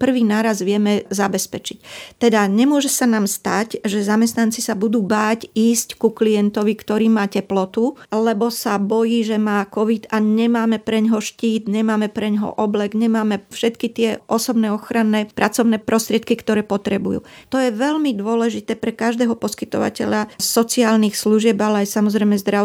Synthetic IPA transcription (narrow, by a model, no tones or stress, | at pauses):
pr̩ʋiːnaːɾazʋɪɛmɛzabɛspɛt͡ʃict̪ɛd̪aɲɛmʊɔʒɛsanaːmst̪acʒɛzamɛst̪nant͡sisabud̪uːbaːciːsckuklijɛnt̪ɔʋikt̪ɔɾiːmaːcɛplɔt̪ulɛbɔsabɔjiːʒɛmaːkɔʋid̪aɲɛmaːmɛpɾɛɲɦɔʃciːd̪ɲɛmaːmɛpɾɛɲɦɔ̰ʔɔblɛɡɲɛmaːmɛfʃɛt̪kit̪ɪɛʔɔsɔbnɛːɔxɾanːɛːpɾʔat͡sɔʊnɛːpɾʔɔst̪ɾɪɛt̪̚kikt̪ɔɾɛːpɔt̪ɾɛbujṵːt̪ɔjɛʋɛʎmid̪ʊɔlɛʒit̪ɛːpɾɛkaʒd̪ɛːɦɔpɔski̥t̪ɔ̰ʋa̰cɛ̰ʎasɔt͡siaːlnixsluʒɪɛbalɛajsamɔzɾɛjmɛzd̪ɾa